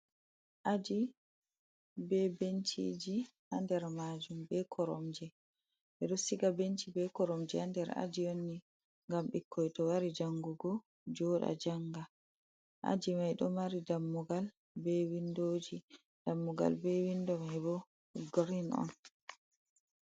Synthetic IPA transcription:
ʔad͡ʒi | bɛbentʰḭd͡ʒihandɛɾmad͡ʒumbɛkʰɔɾɔ̰md͡ʒɛ | ɓɛɗɔsiɡabent͡ʃibɛkɔɾɔmd͡ʒɛandɛɾa̰d͡ʒijonːi | ŋɡamɓikʰːɔjtɔwaɾid͡ʒaŋɡuɡɔ | d͡ʒɔɗa̰d͡ʒaŋɡa | ʔa̰d͡ʒimajɗɔmaɾidamːuɡal | bɛwindod͡ʒi | d̥amːuɡa̰lbɛwindɔmhɛbɔ | ɡɾinɔ̰n

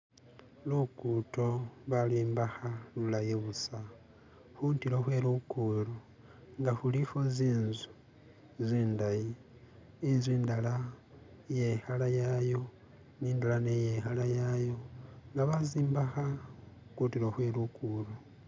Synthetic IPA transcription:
lukuto̞βaliːmbaxalulajeβusa | xuːntiɾoxwe̞ːlukulo | ŋɡaxulifoziːnzu̥ | ziːndajiː | zwiːndala | je̞xalajajo̞ | niːndalanejexalajajo̞ŋɡaβaziːmbaxakutiloxwe̞lukulo

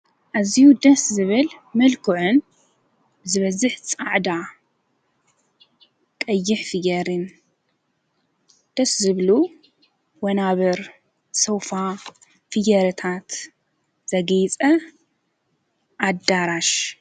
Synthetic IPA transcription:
ʔazijud̪ɐszɨβɨlmɨlkʰɨʕɨn | b̥ɨzɨβɐzɨħt͡sʼaʕd̪a | kʼɐjːɪħfɨjɐɾɨn | d̪̥ɐszɨβlu | wɐnaβɐɾ | sɐwfa | fɨjɐɾɨt̪ʰat̪ | z̥ɐɡɐjt͡sʼɐ | ʔad̪aɾaʃ

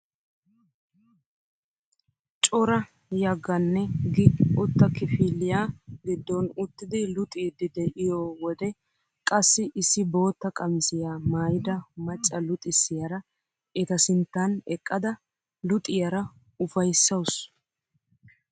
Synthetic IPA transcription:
t͡ʃʼɔɾɐ | jɐɡːɐnːɛɡɪʊt̪ːɐkɪfiːlːɪjaːɡɪd̪ːɔnʊt̪ːɪd̪ɪlʊt̪ʼiːd̪ɪd̪ɛʔɪjoːwɔd̪ɛ | kʼɐsːɪʔɪsːɪbo̞ːt̪ːɐkʼɐmɪsɪjaːmaːjɪd̪ɐmɐt͡ʃʼːɐlʊt̪ʼɪsːɪjɐɾɐ | ɛt̪ɐsɪnt̪ːɐnɛkʼːɐd̪ɐ | lʊt̪ʼɪjɐɾɐ | ʊfɐjsːɐws

